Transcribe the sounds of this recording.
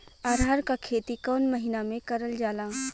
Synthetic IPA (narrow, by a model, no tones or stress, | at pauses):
aːɾaːɾkakʰeːt̪ikɔːnməɦɪnamẽkɐɾəld͡ʒaːlaː